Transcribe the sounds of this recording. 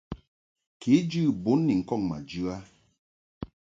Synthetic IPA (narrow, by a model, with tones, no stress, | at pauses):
ke˨˦d͡ʒʉ˦˨bo˨˦nːi˨ŋ̩˨kɔ˦˨ŋma̰˨d͡ʒʉ˦a˦